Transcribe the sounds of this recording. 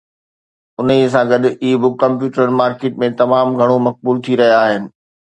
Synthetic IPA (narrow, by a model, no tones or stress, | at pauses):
ʊnis̬ãɡɐdʊiːbʊkːɐ̃mp̬juːʈɾən̆maːɾkeːʈmẽt̪ɐmaːmɡʱɐɽ̃omɐk̚buːlt̪ʰiɾɐɦijaaːɦɪnɪ̆